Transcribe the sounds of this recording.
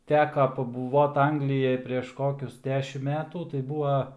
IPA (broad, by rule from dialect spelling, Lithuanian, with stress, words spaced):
ˈtʲæːkɐ pɐbʊˈʋoːt ˈɐŋɡlʲɪjɛj pʲrʲeːʃ ˈkoːkʲʊs ˈdʲæːʃʲɪm ˈmʲæːtuː tɐɪ ˈbuːʋɐ